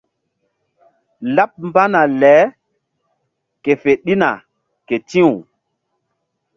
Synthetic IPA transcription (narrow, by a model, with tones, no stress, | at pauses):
la˦p̚m˦ba˦na˨lɛ˨˦ | ke˨fe˨ɗi˦na˨ | ke˨tĩ˦wu˨